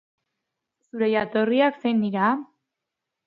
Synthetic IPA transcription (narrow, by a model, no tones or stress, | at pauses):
suɾe̞jat̪o̞riakse̞jnːiɾa